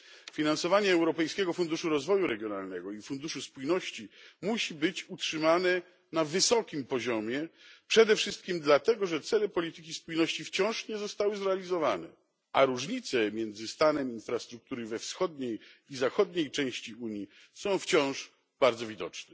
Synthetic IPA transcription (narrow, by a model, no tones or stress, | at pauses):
fʲinansɔvaɲɛɛwɾɔpɛjskʲɛɡɔfund̪uʂuɾɔzvɔjuɾɛɡʲjɔnalnɛɡɔifund̪uʂuspujnɔɕt͡ɕimuɕibɘt͡ɕutʂɘmanɛ | navɘsɔkʲimpɔʑɔmʲjɛpʂɛd̪ɛfʂɘst̪̚kʲimd̪lat̪ɛɡɔʐɛt̪sɛlɛpɔlʲit̪ɘkʲispujnɔɕt͡ɕift͡ɕɔ̃w̃ʂɲɛzɔst̪awɘzɾɛalʲizɔvanɛ̰ | ʔaɾuʐɲit̪sɛmʲjɛnd̪zɘst̪anɛminfɾast̪ɾuk̚t̪uɾɘvɛfsxɔd̪ɲejizaxɔd̪ɲejt͡ʂɛ̃w̃ɕt͡ɕiuɲji | sɔ̃w̃ft͡ɕɔ̃w̃ʂ | b̥aɾd̪zɔvʲid̪ɔ̰t͡ʂnɛ